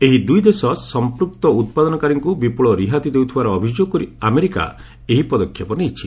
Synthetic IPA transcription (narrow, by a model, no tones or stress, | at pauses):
eɦid̪ujd̪esɔsɔmpɾuk̚t̪ɔut̪̚pad̪ɔnɔkaɾiŋkubipuɭɔɾiɦat̪id̪ewt̪ʰibaɾɔːbʱid͡ʒjoɡɔkɔɾiameɾika̰ | eɦipɔd̪ɔkʰjɔpɔnejt͡ʃʰi